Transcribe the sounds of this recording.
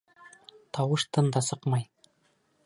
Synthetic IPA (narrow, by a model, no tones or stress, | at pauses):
t̪ʰɑwɤʃt̪ʰɤnd̪ɑsɤqmɑj